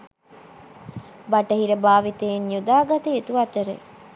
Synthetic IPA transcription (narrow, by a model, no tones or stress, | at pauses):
baʈəɦiɾəbaːʋit̪enjod̪aːɡɐt̪əet̪uat̪əɾḛ